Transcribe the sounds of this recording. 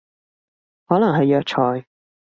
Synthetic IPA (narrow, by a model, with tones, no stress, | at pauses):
hɔː˨˥lɐ˨˩ŋɦɐ˨jːœː˧k̚t͡ʃʰɔː˨˧j